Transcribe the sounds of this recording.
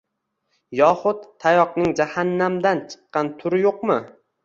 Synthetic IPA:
jɒχʊdt̪t̪ʰːajɒqnɪŋd͡ʒahanːamd̪ant͡ʃʰɨ̥qːɑnt̪ʰʊɾɪjoqmɪ

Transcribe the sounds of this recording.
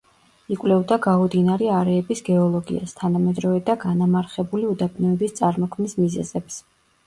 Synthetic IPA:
ikʼwlɛvd̪aɡaud̪inaɾɛaɾɛːbisɡɛɔlˠɔɡḭa̰st̪ʰanamɛd̪ɾɔvɛd̪aɡanamaɾχɛbuliud̪apʰʼnɔɛbist̪sʼaɾmɔkʰmnismizɛ̰zɛps

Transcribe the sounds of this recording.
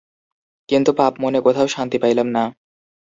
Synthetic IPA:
kint̪upapmonekot̪ʰaoʃant̪ipajlamna

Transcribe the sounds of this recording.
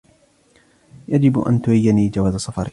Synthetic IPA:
jad͡ʒɪbʔa̰nt̪ʊhajːaniːd͡ʒawaːzasˤɑfɑɾ

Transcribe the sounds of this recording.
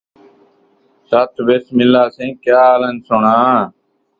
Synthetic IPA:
saːt̪ʋeːsmɪlaːsẽːkjaːlənsʊɳãː

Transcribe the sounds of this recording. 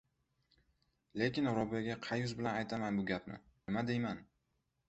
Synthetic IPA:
le̞kʲɪnɾɒbijaɡʲaqʰɑjʊzbɪlanajt̪ʰamanbʊɡʲapnɪ̰nɪmad̪ejman

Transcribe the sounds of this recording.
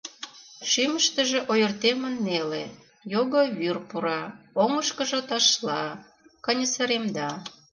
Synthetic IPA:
ʃiməʃt̪ə̆ʒĕʔojərt̪emə̆nːele | joɣoβyrpuɾɑ | oŋəʃkəʒot̪ɑʃlɑ | kɑnʲəsəɾemd̪ɑ

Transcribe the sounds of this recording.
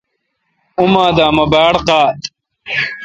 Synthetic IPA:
umãːd̪aːmɐbaːɽqaːt̪

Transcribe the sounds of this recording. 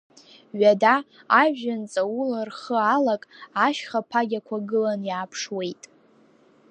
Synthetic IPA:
ɥadaː | ʒʒant͡sʼawularχəalakʼaʃχapʰaɡʲakʷʰaɡɨlanjaːpʰʂwe̞jtʼ

